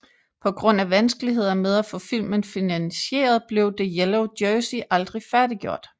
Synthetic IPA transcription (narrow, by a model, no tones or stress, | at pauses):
pʰɒ̽ɡ̥ʁɔ̽n̰æʋænsɡ̥əliɦe̝ð̞̰ˠɐmeð̞ˠæfɔ̽fil̰mənfinænɕe̝̰ːɐð̞̩ˠb̥le̝ʊd̥e̝jeloʊd̥jœːsiʔɑ̈ld̥ʁifæɐdiɡ̥jo̝ɐ̰d̥